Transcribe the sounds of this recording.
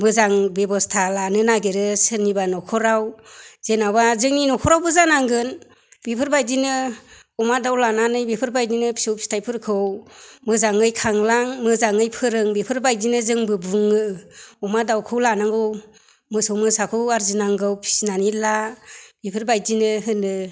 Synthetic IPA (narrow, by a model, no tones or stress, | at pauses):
mɯzaŋbebɔstʰalanɯnaɡeɾɯsɯɾnibanɔkʰɔɾawz̥enawazɯŋninɔkʰɔɾawbɯzanaŋɡɯn | bepʰɯɾbajdinɯ | ɔmadawlananɯjbepʰɯɾbajdinɯpʰi̥sɯwpʰi̥stʰajpʰɯɾkʰɯwmɯzaŋɯjkʰaŋlaŋmɯzaŋɯjpʰɯɾɯŋbipʰɯɾbajdinɯzɯŋbɯbuŋɯɔmadawkʰɯwlanaŋɡɯw | mɯsowmɯsakʰɯwaɾzinaŋɡɯwpʰi̥sinanilab̥ipʰɯɾbajdinɯɦɯnɯ